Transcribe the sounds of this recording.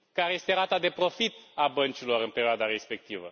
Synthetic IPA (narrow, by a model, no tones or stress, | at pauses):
kaɾeje̞st̪eɾat̪ad̪e̞pɾo̞fit̪abənt͡ʃilo̞ɾɨnpe̞ɾioad̪aɾe̞spe̞k̚t̪ivə̰